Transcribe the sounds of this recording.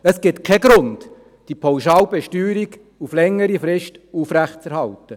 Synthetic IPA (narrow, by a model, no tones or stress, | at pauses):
əsɡ̥ɪtkʰɛɡɾʊnt | d̥ipʰawʃaːlbɛʃtyːɾiɡ | uflɛŋːəɾifɾɪʃtuːfɾæχt͡sɛɾhɑltə